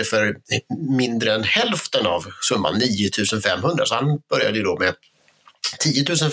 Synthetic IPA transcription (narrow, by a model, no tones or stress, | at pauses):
fœɾmɪnd̪ɾəɛnhɛlft̪ənavsɵmːa̰nːiːʊt̪ʰʉ̟ːsənfɛmːhɵnd̪ɾa̰sɔhanb̥œɾjad̪əjəd̪ɔmɛ | t̪ʰiːət̪ʰʉːs̬ənf